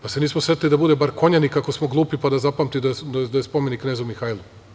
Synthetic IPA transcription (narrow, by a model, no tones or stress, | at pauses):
pase̞niːsmosɾet̪lid̪abud̪ebaɾko̞ɲanikako̞smoɡlˠuːpipad̪azapamt̪id̪d̪d̪ojespo̞menikneːzumixaːjlˠu